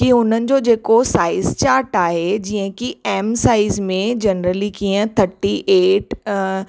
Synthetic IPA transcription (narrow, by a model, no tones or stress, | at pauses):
kiʊn̤ənɪ̆d͡ʑod͡ʑeːkosaːɪzt͡ɕaːɾʈaːɦed͡ʑiə̃kiɛːmsaːɪzmẽd͡ʑɐnɾəlikiːə̃t̪ʰɐʈːiʔeːʈ